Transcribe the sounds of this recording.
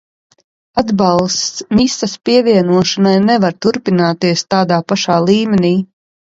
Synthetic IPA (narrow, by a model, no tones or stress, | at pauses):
ad̪bɑlˠst̪smisaspiɛvʲiɛnuɔʃanajnɛvaɾt̪uɾpinaːt̪iɛst̪aːd̪aːpaʃaːlˠiːmʲɛniː